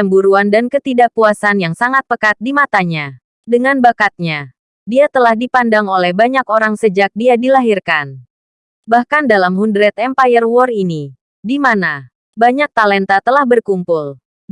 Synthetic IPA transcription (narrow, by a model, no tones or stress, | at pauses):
əmbuɾuandankət̪idaʔpuasanjaŋsaŋat̪̚pəkat̪̚dimat̪aɲa | dəŋanbakat̪̚ɲa | diat̪əlahdipandaŋolɛhbaɲakoɾaŋsəd͡ʒak̚diadilaɦirkan | bahkandalamɦundɾɛt̪ɛmpajərwɔrini | dimana | baɲak̚t̪alɛnt̪at̪əlahbərkumpul